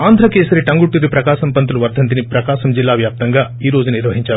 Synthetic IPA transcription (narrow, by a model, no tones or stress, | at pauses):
aːnd̪ʱɾɐkeːsɐɾeʈɐŋɡuʈːiɾipɾɐkaːʃɐmpɐnt̪uluʋɐɾd̪ʱɐnt̪inipɾɐkaːʃɐmd͡ʒilːaːʋjaːp̚t̪ɐŋɡaː | iːɾo̞ːd͡ʒuniɾʋɐɦiɲt͡ʃaːɾu